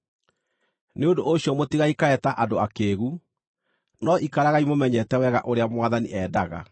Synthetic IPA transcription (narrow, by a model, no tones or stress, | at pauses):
neondooɕjɔmotiɣaikaɛtaʔadoakeːɣu | nɔʔikaɾaɣaimomɛɲɛtɛwɛɣaʔoɾeamwaðanḭʔɛːdaɣa̰